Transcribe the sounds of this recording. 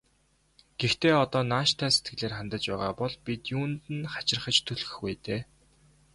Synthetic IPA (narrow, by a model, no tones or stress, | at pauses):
ɡ̥ext̪eːɔt̪ɔːnaːʃt̪ʰæːse̥t̪̚ɡɘ̆ɮeːrχant̪ə̆t͡ɕpæːʁaːpɔɮpit̪juːnt̪ɘ̆nχḁt͡ɕɪ̆rχə̆t͡ɕt̪ʰɵɮɣɘ̥̆xwæjt̪eː